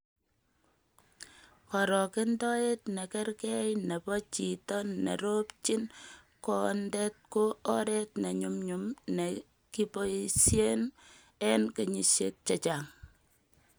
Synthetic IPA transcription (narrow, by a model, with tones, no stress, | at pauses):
kɔ˨ɾɔ˨ke˦ndɔ˦e˦tnɛ˨kɛ˦rkɛ˦jnɛ˨pɔ˦t͡ʃi˨tɔnːḛ˨ɾo˦pt͡ʃi˦n | kɔ˦ndɛt̚ko˦ɔ˦ɾɛ˦tnɛ˨ɲu˦mɲu˨mne˨ | ki˦po˦sje˦n | ɛ˦nke˨ɲi˨sḛ˦t̚t͡ʃe˨t͡ʃaŋ